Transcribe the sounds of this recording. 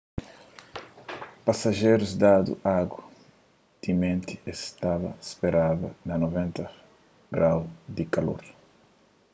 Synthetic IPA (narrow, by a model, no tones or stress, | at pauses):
pasaʒejɾuzd̪ad̪ṵʔaɡwɐ | t̪imẽnt̪iest̪avɐ̰speɾaðɐ̰nɐnovẽnt̪ɐ | ɡɾawd̪ikalo̰ɾ